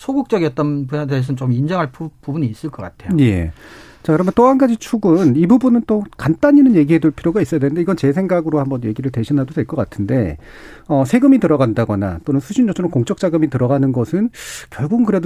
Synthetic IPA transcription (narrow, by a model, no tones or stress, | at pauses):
sʰoɡuk̚t͡ɕ͈ʌɡiʌt͈̚ʌnpuades̬ʰɯnt͡ɕomind͡ʑʌŋɦaɭppubuɲiːs͈ɯɭk͈ʌk͈atʰejje̞̰ | t͡ɕakɯɾʌmʌnt͈oɦanɡad͡ʑit͡ɕʰuɡunibubunɯnt͈okant͈aɲinɯnje̞ɡiɦe̞duɭpʰiɾjoɡais͈ʌjadwenɯndeiɡʌnt͡ɕe̞sʰe̞ŋɡaɡɯɾohambʌnje̞ɡiɾɯɭtwe̞ɕʰinɦadodwe̞ɭk͈ʌk͈atʰɯnde̞ | ʌsʰe̞ɡɯmitɯɾʌɡandaɡʌna̰t͈onɯnsʰuɕʰind͡ʑʌt͡ɕʰoɾʌmkoŋt͡ɕ͈ʌk̚t͡ɕ͈aɡɯmitɯɾʌɡanɯnɡʌsʰɯnkjʌɭbuɡnkɯɾe̞d